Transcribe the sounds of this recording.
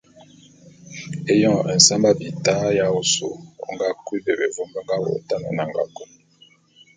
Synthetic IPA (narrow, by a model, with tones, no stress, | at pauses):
e˦jɔ̃˦˨ɛ˨n̩˨sa˦mba˦bi˨ta˦ja˦o˦so˨o̰˨ŋɡa˦kwi˦be˨be˨vo˦mba˦ŋɡa˦wo̰˨˦ta˦na̰˨na˨ŋɡa̰˨ku˦n˦